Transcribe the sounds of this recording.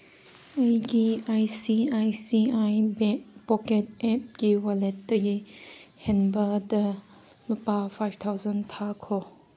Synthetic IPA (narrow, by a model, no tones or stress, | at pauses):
ɐjɡiajsiajsiajbɛpɔket̚ɛp̚ɡiwaletːɐɡihenbɐdɐ | lupapʰajb̚t̪ʰawzɐntʰakʰɔ